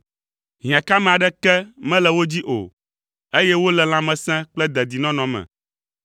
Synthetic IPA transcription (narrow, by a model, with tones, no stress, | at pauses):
ɦĩ˨ã˨ka˦mɛ̃˨a˨ɖɛ˦kɛ˦mɛ̃˦lɛ˨wo˦d͡ʑi˦ʔo̰˨ | e˦jɛ˦wo˦lɛ˨l̃ã˨˦mɛ̃˨sɛ̃˦k͡plɛ˦d̪ɛ˨d̪i˨nɔ̃˦nɔ̃˨mɛ̰̃˨